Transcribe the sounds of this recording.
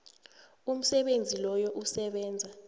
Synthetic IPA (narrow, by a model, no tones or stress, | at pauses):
um̩sɛɓend͡zʱilɔjɔʔusɛɓɛːnd͡zʱa